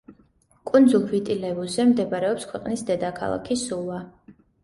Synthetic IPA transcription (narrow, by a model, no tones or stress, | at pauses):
kʼund̪zulˠvit̪ʼilɛvuzɛmd̪ɛbaɾɛɔpskʰwɛqʼnisd̪ɛd̪akʰa̰lˠa̰kʰisulˠwa